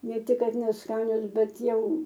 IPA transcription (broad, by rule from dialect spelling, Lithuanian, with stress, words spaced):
ˈnʲɛ ˈtʲɪk ˈkɐt nʲɛsˈkɑːnʲoːs ˈbʲɛt ˈjɛʊ